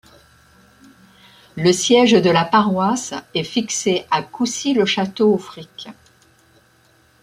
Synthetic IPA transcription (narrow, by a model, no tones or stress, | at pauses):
ləsjɛʒd̪əlapaʁwasɛfikseʔakusiləʃat̪oofχik